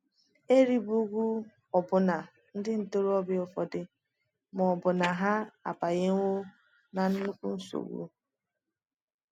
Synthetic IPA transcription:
e˦ɾi˦bu˦ɡʷu˦ | ɔ˨bʊ˨na˨ | n̩˦dɪ˦n̩˨to˦ɾɔ˦bɪ˦ʊ˨fɔ˨dɪ˦ | m˨ɔ˨bʊ˨na˨ɦa˦a̰˨pa˨ɣe˦ŋ˦ŋʷo˦ | na˨n̩˦nu˦kʷu˦n̩˦so̰˨wṵ˦

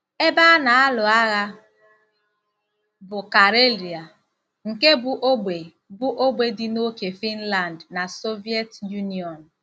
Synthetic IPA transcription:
e˦ba˦na˨a˦lʊ˨a˦ɣa˦ | bʊ˨ka˨ɾe˦li˨a˨ | ŋ̩˨ke˦bʊ˨ʔo˦ɡ͡be˨ | bʊ˦ʔo˦ɡ͡be˨dɪ˨no˦ke˨fi˦n̩˦la˨ndna˨so˦vi˦e˦tju˦ni˨ɔ˨n̩˨

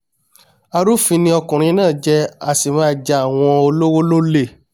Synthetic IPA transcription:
a˧ɾu˦fĩ˧nĩ˧˦ɔ˧kũ˨ɾ̃ĩ˧˦nãː˦˨d͡ʒɛ˧a˨si˨mã˧˨d͡ʒa˧a˨w̃ɔ̃˧o˧lo˦wo˦lo˦le˦˨

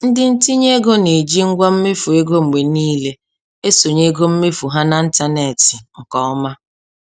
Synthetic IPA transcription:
n̩˦dɪ˦n̩˦ti˦ɲe˦ɡo˦ne˨d͡ʒi˦ŋ̩˦ɡʷɔ˦m̩˦me˦fu˨e˦ɡo˦ŋ͡m̩˨ɡ͡be˨niː˦le˦ | e˦so˨ɲe˦ɡo˦m̩˦me˦fu˨ɦa˦na˨n̩˦ta˦ne˨tɪ˨ŋ̩˨kɔ˦ɔ˦ma˦

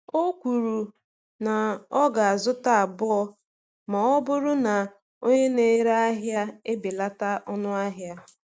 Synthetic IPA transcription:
o˦kʷu˨ɾu˨ | na˨ɔ˦ɡa˨a˨zʊ˦ta˦a˨bʊ˦ɔ˦ | ma˨ɔ˦bʊ˦ɾʊ˦na˨ | o˦ɲe˦ne˦ɾa˦a˦ɦja˦e˦be˨la˦ta˦ʔɔ˦nʊ˦a˦ɦja˦

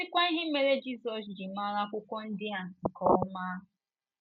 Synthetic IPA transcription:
ɪ˦kʷa˦i˦ɦɪ˦me˨ɾe˦d͡ʒi˦sɔ˨s̬d͡ʒi˨ma˦ɾa˦kʷʊ˦kʷɔ˦n̩˦dɪ˦a˨ŋ̩˨kɔ˨ɔ˦maː˦˨

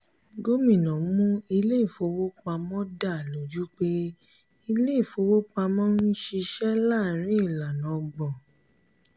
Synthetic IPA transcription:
ɡo˦mĩ˦˨nɔ̃˨˦mũ˦i˧le˦i˦˨fo˧wo˦k͡pa˧mɔ̃˦da˦˨lo˨d͡ʒu˦k͡pe˦ | i˧le˦i˦˨fo˧wo˦k͡pa˧mɔ̃˦n̩˦ʃi˧ʃɛ˦la˦˨ɾ̃ĩ˨˦i˦˨la˨nɔ̃˨ɡ͡bɔ˨

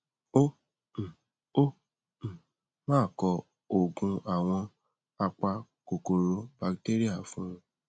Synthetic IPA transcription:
õ˦˨ | õ˦˨ | mãː˦˨kɔ˧ | o˨ɡũ˧a˨w̃ɔ̃˧ | a˧k͡pa˧ko˨ko˨ɾo˧˦ba˧kte˦ɾi˦a˦˨˦fũ˦ɾ̃ũ˧˦

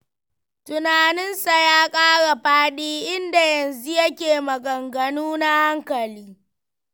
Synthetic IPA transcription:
tʊ˨naː˨nɪ˦nsa˨jaː˦kʼaː˦ɽa˨ɸaː˦ɗiː˦ʔɪ˦nda˨jɐ˨nzu˦jɐ˦kʲeː˨mɐ˨ɡɐ˨ŋɡɐ˨nuː˦na˦ha˦ŋkɐ˨liː˦

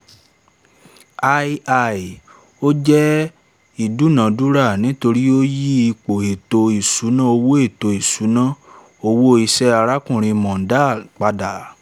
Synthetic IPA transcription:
a˧i˧ʔa˧˨i˨ | o˦d͡ʒɛ˦ | i˨du˨˦˨nã˨du˦ɾa˦˨nĩ˨˦to˧ɾi˦o˦ji˦i˧k͡po˨e˨to˧i˨su˨˦nã˦o˧wo˦e˦˨to˧i˨su˨˦nã˦ | o˧wo˦i˦˧sɛ˦a˧ɾa˦kũ˦˨ɾ̃ĩ˧mɔ̃˨n̩˦da˦˨k͡pa˧da˨

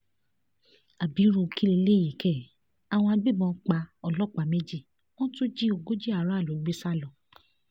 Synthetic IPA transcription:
a˨bi˨˦ɾu˧ki˦le˧˦le˦˨ji˨kɛ˦˨ | a˧w̃ɔ̃˧a˧ɡ͡bi˦˨bɔ̃˧k͡pa˨˦ɔ˦˧˨lɔ˦˨k͡pa˨˦me˦d͡ʒi˦˨ | ɔ̃˦tu˦d͡ʒi˦o˨ɡo˦d͡ʒi˦a˨ɾa˨˦a˦˨lo˨ɡ͡be˦sa˦˨lɔ̃˨

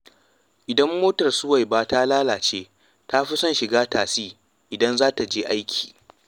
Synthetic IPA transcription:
ʔɪ˨dɐ˦mːoː˦tɐ˨rsʊ˦wa˨jbaː˦taː˦laː˦laː˨t͡ʃeː˦ | ta˦ɸi˦sɔ˦nʃɪ˨ɡaː˦taː˨siː˦ | ʔɪ˨dɐ˦nzaː˦ta˨d͡ʒeː˦ʔa˦jkʲʰi̥ː˨

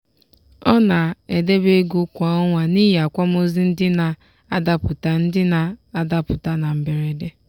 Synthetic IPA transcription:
ɔ˦na˨e˨de˦be˦ɡu˦kʷa˨ɔ˦ŋʷa˨ni˦ja˨kʷa˦m˦o˦zi˦n̩˦dɪ˦na˨ | a˦da˦pʊ˨ta˨n̩˦dɪ˦na˨a˦da˦pʊ˨ta˦na˨m̩˨be˨ɾe˨de˦

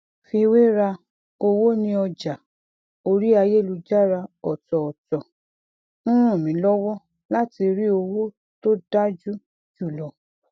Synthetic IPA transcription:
fi˧we˦ɾa˧ | o˧wo˦nĩ˧ɔ˧d͡ʒa˨ | o˧ɾi˦a˧je˦˨lu˧d͡ʒa˦ɾa˧ɔ˨tɔ˨ɔ˨tɔ˨ | nũ˦ɾ̃ũ˦˨mĩ˨˦lɔ˦wɔ˦ | la˦ti˧ɾi˦o˧wo˦ | to˦da˦d͡ʒu˦ | d͡ʒu˦˨lɔ˨

